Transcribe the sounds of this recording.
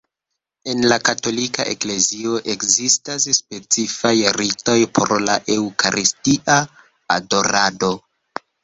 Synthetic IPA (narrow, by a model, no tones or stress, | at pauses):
e̞nlakato̞lika̰ʔḛkle̞zio̞ʔe̞kzistasspe̞t͡sifajɾito̞jpʰo̞̰ɾla̰ʔe̞wkaɾʔistiʔaː | do̞ɾado̞